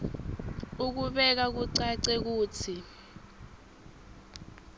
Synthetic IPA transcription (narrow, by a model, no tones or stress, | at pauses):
uk̬uɓɛk̬ak̬uǀaǀek̬uːt͡sʰi